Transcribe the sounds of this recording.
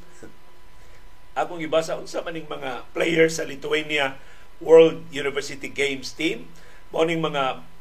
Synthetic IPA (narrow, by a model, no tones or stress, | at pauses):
ʔaːkoŋɪbasɐʔʊnsamanɪŋmɐŋaplejɛɹsɐlɪt̪ʊwenjɐ | wɛɹld̪̚junɪvɛɹsɪt̪iɡejmst̪ĩm | monɪŋmɐŋa